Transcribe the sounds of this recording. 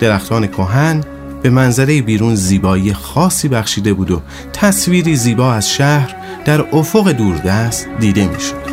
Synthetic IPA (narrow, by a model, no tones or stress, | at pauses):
d̪̥e̞ɾæxt̪ʰɒːne̞kʰo̞ɦæn | b̥e̞mænzæɾe̞jebiːɾuːnziːbɒːiːjexɒːsːiːbæxʃiːd̪e̞buːd̪o̞ | t̪ʰæsviːɾiːziːbɒːæz̥ʃæhɾ | d̪̥æɾofoɣe̞d̪uːɾd̪æst̪̚d̪iːd̪e̞mḭːʃo̥d̪̥